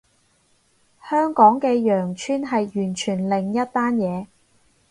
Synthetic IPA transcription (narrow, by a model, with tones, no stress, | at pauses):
hœː˥ŋkɔː˨˥ŋkɛː˧jœː˨˩ŋt͡ʃʰyː˥nɦɐ˨jjyː˨˩nt͡ʃʰyː˨˩nlɪ˨ŋjɐ˥t̚t̪aː˥njɛː˨˧